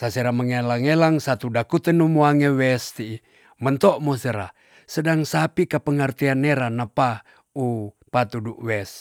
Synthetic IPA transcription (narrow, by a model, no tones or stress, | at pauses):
saseɾaməŋelaŋelaŋsat̪udakut̪ənumuaŋewɛst̪iː | mənt̪ɔʔmosəɾa̰ | sədaŋsapikapəŋərt̪ianːeɾanapa | upat̪uduʔwɛs